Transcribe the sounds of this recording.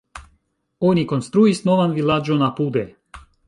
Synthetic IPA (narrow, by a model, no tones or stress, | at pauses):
onikonst̪ɾuisnovanvilad͡ʒonapud̪e